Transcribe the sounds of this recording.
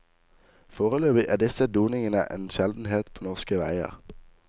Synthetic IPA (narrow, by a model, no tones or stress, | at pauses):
foːʁəløːbɪʔæːd̪ɪsəd̪uːnɪŋənə̰ʔḛːnʃɛld̪n̩heːt̪pʰoːnɔʁskəʋæɪə̰ʁ